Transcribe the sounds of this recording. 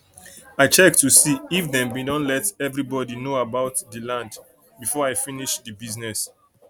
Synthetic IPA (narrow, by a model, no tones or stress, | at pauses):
aɪt͡ʃɛk̚tusiːfdɛ̃mbidɔ̃nlɛtɛvɹibɔdinoabaʊtdəlãnd | bifɔaɪfiniʃdəbiznɛs